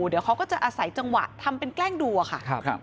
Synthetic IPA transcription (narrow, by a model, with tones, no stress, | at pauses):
di˨˩˦wkʰa˦˥wkɔː˥˩t͡ɕa˨˩ʔaː˧sa˩˦jt͡ɕa˧ŋwa̰˨˩t̪ʰa˧mpe˧nklɛː˥˩ŋdu˧a˧xʰa˥˩˧